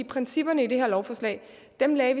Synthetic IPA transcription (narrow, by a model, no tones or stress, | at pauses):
ipʰʁɛnsib̥ɐnəid̥eɦeɐ̰lɒʊfɒːslɛ̰ːɪ | d̥emlɛːʋi